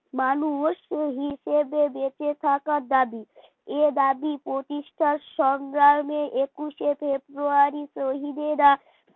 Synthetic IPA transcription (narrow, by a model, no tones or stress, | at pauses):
manuoʃɦiʃebebet͡ʃet̪ʰakad̪abi | ed̪abipɾot̪iʃʈʰaʃɔŋɡɾaɾmeʔekuʃepʰebɾuaɾisɾoɦid̪ed̪a